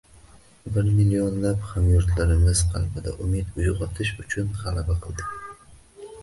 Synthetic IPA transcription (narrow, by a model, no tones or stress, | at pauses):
bɪɾmɪlijonlapχamjʊɾt̪ʰlaɾɪmɪz̥qʰɑ̰lbɪd̪a̰ʔʊmɪt̪ʊjʁɒt̪ʰɪʃʊt͡ʃʰʊnʁalabaqʰɨlˠd̪ɪ